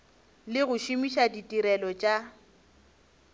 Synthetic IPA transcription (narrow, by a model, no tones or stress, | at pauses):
lɪɣʊʃimiʃaditʼiɾɛlɔt͡ʃʼa